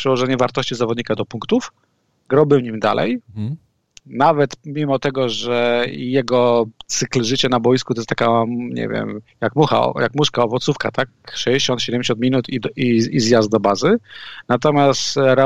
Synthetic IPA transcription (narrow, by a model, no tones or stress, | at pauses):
ʂɛwɔʐɛɲɛvaɾt̪ɔɕt͡ɕizavɔd̪̚ɲikad̪ɔpuŋkt̪uf | ɡɾɔbɘwɲimd̪a̰lʔɛ̰j | navɛt̪mʲimɔt̪ɛɡɔʐɛijɛɡɔt̪sɘklʐɘt͡ɕɛnabɔjiskut̪ɔjɛst̪akaɲɛ̰vʲjɛ̰mjakmuxa̰ɔ̰jakmuʂkaɔvɔt̪sufka̰t̪ak̚ʂɛd͡ʑeɕɔnt̪ɕɛd̪ɛmʲɲd͡ʑeɕɔ̃nt̪mʲinut̪id̪iizjazd̪̚d̪ɔbazɘnat̪̬ɔmʲjast̪ɾa